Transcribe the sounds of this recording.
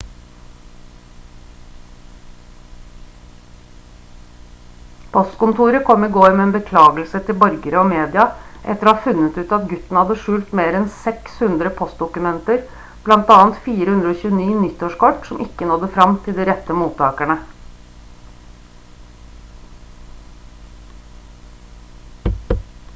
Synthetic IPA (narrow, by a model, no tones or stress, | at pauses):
pʰɔst̪kʊmt̪ʰuːɾəkʰɔmːiɡoːɾmɛeːnbəkʰlɑːɡəl̩sət̪ʰɪlbɔɾɡəɾəoːmeːd̪ɪɑʔɛ̰t̪əɾoːhɑːfʉnːət̪ʉːt̪ɑt̪ɡʉt̪n̩hɑd̪ːəʂʉːlt̪meːɾɛnsɛkshʉnd̪ɾəpʰɔst̪̚d̪ʊkʉmɛnt̪əɾ | b̥lɑnt̪ɑːnt̪fiːɾəhʉnd̪ɾəoːçʉːəniːnʏt̪ːoːʂkɔʈsɔmʔɪkːənɔd̪əfɾɑmt̪ʰɪld̪iːɾɛt̪ːəmuːt̪ʰːɑːkæɳə